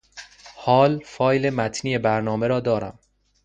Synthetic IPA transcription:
hɒːlfɒːjle̞mæt̪ʰniːebæɾnɒːmeɾɒːd̪ɒːɾæ̰m

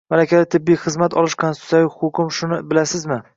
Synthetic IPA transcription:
malakʲad̪at̪ʰɪbːijχɨzmat̪ʰɒ̰lˠɪʃkʰonsʰjavɪhʊkʰʲʊmʃʊnɪbɪlasɪzmɪ

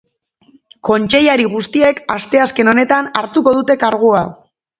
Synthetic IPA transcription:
ko̞nt͡ʃe̞jaɾiɣ̞ust̪ie̞kast̪e̞aske̞no̞ne̞t̪anaɾt̪uko̞ðut̪e̞kaɾɣ̞ua

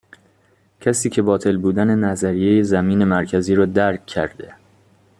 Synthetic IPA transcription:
cʰæsiːcʰe̞bɒːt̪ʰe̞lbuːd̪æne̞næzæɾijejezæmiːne̞mæɾcʰæziːɾɒːd̪æɾkʰːæ̰ɾd̪e̞

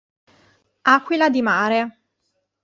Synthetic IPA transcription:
akʷːwilad̪imaːɾe

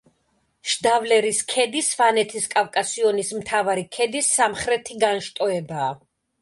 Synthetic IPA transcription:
ʃd̪avlɛɾiskʰɛd̪isvanɛt̪ʰiskʼavkʼasiɔnismt̪ʰavaɾikʰɛd̪isːamχɾɛt̪ʰiɡanʃt̪ʼɔɛbaː

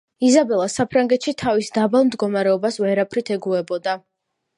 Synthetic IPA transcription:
izabɛlˠasapʰɾaŋɡɛt̪ʃit̪ʰavisd̪abalˠmd̪ɡɔmaɾɛɔbasvɛɾapʰɾit̪ʰɛɡuɛbɔd̪a

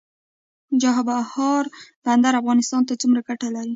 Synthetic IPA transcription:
d͡ʒaɦabahɑɾband̪aɾafɣɑnɪst̪ɑnt̪at͡sumɾaɡaʈalaɾi

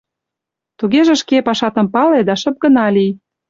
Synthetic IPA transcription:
t̪uɣeʒĕʃkepɑʃɑt̪ə̆mpɑled̪ɑʃə̆p̚ɡə̆nɑlʲij

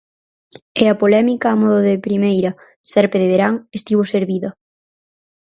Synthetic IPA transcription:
eapolɛmikaːmɔðoðɪpɾimejɾɐ | sɛɾpeðeβeɾaŋest̪iβoseɾβiðɐ

